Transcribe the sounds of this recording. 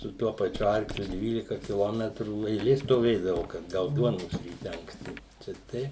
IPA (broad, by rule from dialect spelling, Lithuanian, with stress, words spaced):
sʊ ˈtuɔ pɐˈt͡ʃʲʊ ˈɐrklʲʊ ˈdʲʋʲiːlʲɪkɐ kʲɪˈlˠoːmʲɛtruː ɛɪˈlʲeː stoːˈʋʲeːdɐʋɐʊ kɐt ˈɡɐʊt ˈduɔnoːs rʲiːˈtʲɛ ɐŋksʲˈtʲɪ ˈt͡ʃʲɛ ˈtʲɛɪ